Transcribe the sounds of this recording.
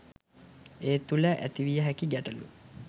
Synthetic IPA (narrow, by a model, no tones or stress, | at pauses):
eːt̪uləʔæ̰t̪iʋijəɦækiɡæʈəlṵ